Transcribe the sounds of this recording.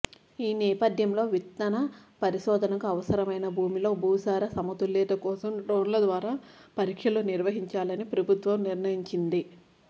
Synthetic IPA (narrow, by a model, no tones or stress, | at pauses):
iːnɛːpɐd̪ʱjɐmlo̞ːʋit̪nɐnɐpɐɾiʃɔːd̪ʱɐnɐkuɐʋɐsɐɾɐmɐjnɐbʱuːmilo̞ːbʱuːsaːɾɐsɐmɐt̪ulːɛːʈ̪ɐkɔːsɐmɖɾoːnlɐd̪ʋaːɾaːpɐɾikʂɐluniɾʋɐɦiɲt͡ʃaːlɐnipɾɐbʱut̪ʋɐmniɾnɐjiɲt͡ʃind̪i